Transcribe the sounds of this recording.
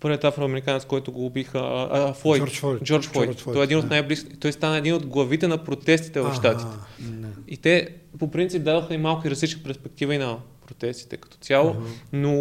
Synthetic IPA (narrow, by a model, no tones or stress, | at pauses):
pɤɾvʲjət̪afɾəvɐmɛɾikanɛt̪skɔjt̪ʊɡoubixəfɔjt̪d͡ʒɔɾt͡ʃfɔjt̪ɔɛd̪inot̪najbliskit̪ɔjst̪anəɛd̪inod̪ɡlˠɐvit̪ɛnɐpɾot̪ɛst̪i̥t̪ɛvɐfʃt̪at̪it̪ɛ | it̪ɛpopɾint̪sip̚d̪ad̪oxəimalˠkʊiɾɐzlit͡ʃ̪əpɛɾspɛk̚t̪ivəinɐpɾot̪ɛst̪i̥t̪ɛkɐ̥t̪ɔ̥t̪ʲalˠono